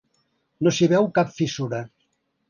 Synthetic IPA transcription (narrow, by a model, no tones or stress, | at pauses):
nosiβɛwkapfisuɾə